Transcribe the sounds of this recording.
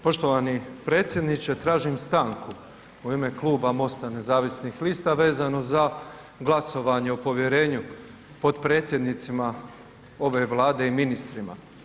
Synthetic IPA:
po̞ʃt̪o̞ʋanipɾe̞ːt̪sʲjed̪nit͡ʃet̪ɾaːʒimst̪aːŋku | uime̞klˠuːbamo̞st̪ane̞zaːʋisnixliːst̪aʋe̞ːzano̞za | ɡlˠaso̞ʋaɲeopo̞ʋje̞ɾe̞ːɲu | po̞d̪pɾe̞ːt̪sʲje̞d̪nit̪sima | o̞ʋe̞ʋlˠaːd̪e̞iminist̪ɾima̰

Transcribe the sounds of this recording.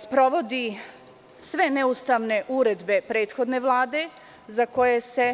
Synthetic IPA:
spɾo̞ʋo̞d̪i | sʋe̞nɛust̪aːʋne̞ʔuɾe̞d̪be̞pɾe̞ːt̪xo̞d̪ne̞ʋlˠaːd̪e̞ | zako̞jese̞

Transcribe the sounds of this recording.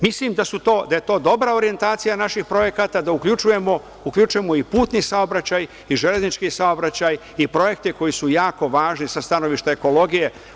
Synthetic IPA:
mislimd̪asut̪o̞ːd̪aje̞t̪o̞ːd̪o̞bɾaoɾije̞nt̪aːt̪sijanaʃixpɾo̞je̞kat̪ad̪aukʎut͡ʃuje̞mo | ukʎut͡ʃuje̞mo̞ipuːt̪nisao̞bɾat͡ɕaj | iʒele̞znit͡ʃkisao̞bɾat͡ɕaj | ipɾo̞je̞k̚t̪iko̞jisujaːko̞ʋaːʒnisast̪ano̞ʋiʃt̪aeko̞lo̞ɡije

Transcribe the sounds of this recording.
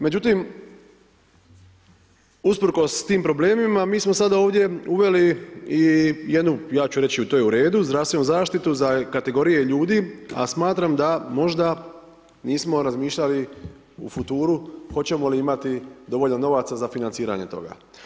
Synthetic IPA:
me̞d͡ʑut̪im | uspɾ̩ko̞st̪iːmpɾo̞ble̞ːmimamiːsmo̞sad̪ao̞ːʋd̪je̞uʋe̞liije̞d̪nujaːt͡ɕuɾe̞t͡ɕiut̪oːjeuɾe̞ːd̪uzd̪ɾaːst̪ʋe̞nuzaːʃt̪it̪uzakat̪e̞ɡo̞ɾije̞ʎuːd̪iːa̰smaːt̪ɾamd̪amo̞ʒd̪a | niːsmo̞ɾazmiːʃʎali | ṵfut̪uːɾuxo̞t͡ɕe̞mo̞liimat̪id̪o̞ʋoʎnano̞ʋat̪sazafinant̪siːɾa̰ɲe̞t̪o̞̰ɡa̰

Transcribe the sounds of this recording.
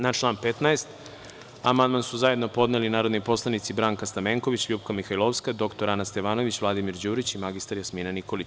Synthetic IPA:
nat͡ʂlˠaːnpet̪naest̪ | amand̪mansuzaje̞d̪no̞po̞d̪nelinaːɾo̞d̪nipo̞slˠanit̪sibɾaːŋkast̪ameŋko̞ʋit͡ɕʎuːpkamixajlˠoʋskad̪o̞kt̪o̞ɾanast̪e̞ʋaːno̞ʋit͡ɕʋlˠad̪imiɾd͡ʑuːɾit͡ɕimaɡist̪aɾjasmiːnanikolit͡ɕ

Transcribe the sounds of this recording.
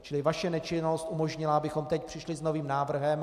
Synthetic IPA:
t͡ʃɪlɪvaʃɛnɛt͡ʃɪnost̪ʔumo̞ʒɲɪlaabɪxo̞mt̪ɛcpr̥ɪʃlɪzno̞viːmnaːvr̩ɦɛm

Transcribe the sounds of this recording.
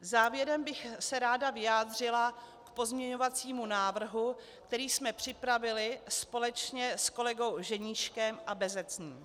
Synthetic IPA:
zaːvjɛɾɛmbɪxsɛɾaːdavɪjaːd̪r̝ɪla | kpo̞zmɲɛɲo̞vat͡siːmunaːvr̩ɦu | k̚t̪ɛɾiːsmɛpr̝̥ɪpɾavɪlɪspo̞lɛt͡ʃɲɛsko̞lɛɡo̞wʒɛɲiːʃkɛmʔabɛzɛt͡sɲiːm

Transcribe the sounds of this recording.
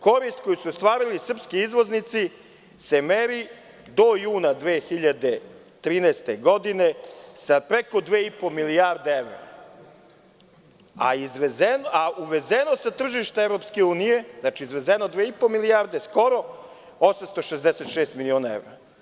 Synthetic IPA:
ko̞ɾist̪̚kojusuost̪ʋaːɾilisr̩pskiizʋo̞znit̪si | semeɾi | d̪ojuːnad̪ʋeːxiʎad̪e | t̪ɾiːnɛːst̪e̞ɡo̞d̪ine̞sapɾeko̞d̪ʋeːipo̞miliaɾd̪eeʋɾa̰ | a̰izʋezenauʋezenosat̪r̩ʒiʃt̪aevɾo̞pske̞uːnije̞znat͡ʃiːzʋezenod̪ʋeːipo̞milijaɾd̪esko̞ɾo̞ | osamst̪o̞ʃezd̪ese̞t̪ʃeːst̪milionaḛvɾa

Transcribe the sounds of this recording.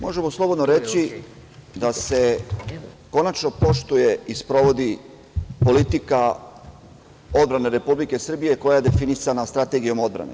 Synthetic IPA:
mo̞ʒe̞moslˠo̞bo̞d̪noɾe̞t͡ɕi | d̪ase̞ | ko̞nat͡ʃno̞po̞ʃt̪uje̞ispɾo̞ʋo̞d̪i | po̞lit̪ika | o̞d̪̚bɾane̞ɾe̞publike̞sr̩bije̞ko̞jaje̞d̪e̞finisanast̪ɾat̪e̞ɡijo̞mo̞d̪bɾa̰ne̞

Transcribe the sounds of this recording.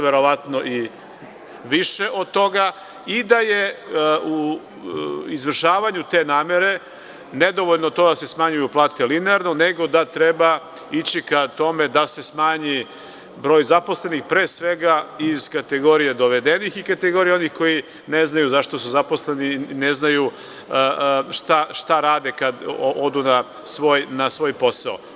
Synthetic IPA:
ʋeɾo̞ʋat̪noʔi | ʋiʃe̞ʔo̞d̪̚t̪o̞ɡa | id̪ajeu | izʋr̩ʃaːʋaɲut̪e̞ːnaːme̞ɾe̞ | ned̪o̞ʋoʎnot̪o̞d̪ase̞smaɲujuplˠaːt̪elineaɾno̞ne̞ɡo̞d̪at̪ɾeba | it͡ɕikat̪o̞me̞d̪ase̞smaːɲi | bɾo̞ːjzaposle̞nixpɾeːsʋeɡaiz̥kat̪eɡo̞ːɾijed̪oʋed̪enixikat̪eɡo̞ɾijeo̞nixko̞ji | neznajuzaʃt̪osuzaposlenineznaju | ʃt̪aʃt̪aɾaːd̪e̞kad̪oʔod̪una | sʋoːjnasʋo̞ːjpo̞sao̰

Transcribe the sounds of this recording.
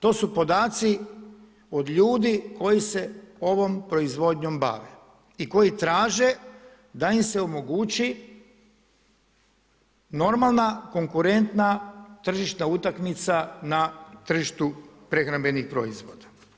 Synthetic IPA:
t̪o̞ːsupo̞d̪aːt̪si | o̞d̪ʎuːd̪iko̞jise̞o̞ʋo̞mpɾo̞izʋo̞d̪ɲo̞mba̰ːʋe | iko̞jit̪ɾaːʒe̞ | d̪aimse̞o̞mo̞ɡuːt͡ɕi | no̞ɾmalˠnako̞ŋkuɾe̞nt̪nat̪r̩ʒiʃt̪naut̪akmit̪sanat̪r̩ʒiʃt̪upɾexɾambe̞nixpɾo̞̰izʋo̞̰ːd̪ḁ

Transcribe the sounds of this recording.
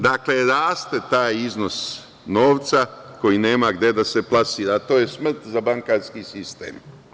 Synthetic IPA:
d̪akleɾaːst̪et̪aːjizno̞s | noːʋt̪sako̞jine̞ːmaɡd̪e̞d̪ase̞plˠasiːɾat̪o̞ːje̞smr̩t̪zabaŋkaːɾskisist̪ḛːm

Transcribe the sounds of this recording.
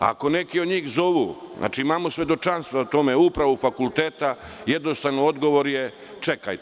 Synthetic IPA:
a̰ko̞ne̞kiod̪ɲiːxzo̞ʋuːznʔa̰ːt͡ʃiimaːmosʋʲe̞d̪o̞t͡ʃanst̪ʋat̪o̞meupɾaʋofakulˠt̪eːt̪ajed̪nost̪aʋnood̪ɡo̞ʋo̞ɾje | t͡ʃekajt̪

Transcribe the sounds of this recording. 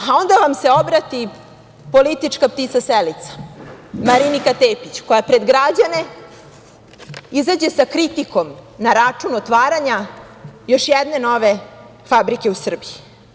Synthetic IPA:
ao̞nd̪aʋamse̞o̞bɾat̪i | po̞lit̪it͡ʂkap̚t̪it̪saselit̪sḁmaɾinikat̪eːpit͡ɕko̞japɾed̪ɡɾad͡ʑane̞ | izad͡ʑe̞sakɾit̪iko̞mnaɾat͡ʂunot̪ʋaːɾaɲa | jo̞ʃjɛd̪ne̞no̞ʋe̞ | fabɾike̞usr̩biji

